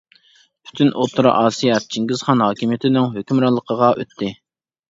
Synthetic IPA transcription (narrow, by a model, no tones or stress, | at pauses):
pʰy̥t̪ʰynʔot̪ʰːuɾɑ̰ʔɑːsijɑt̪̚d͡ʒʰiŋɡʲɪz̥χɑnhɑːkʲimijet̪ʰɪnɪŋɦøkʲymɾɑlˠːəqʰəʁɑʔø̰t̪ʰːɪ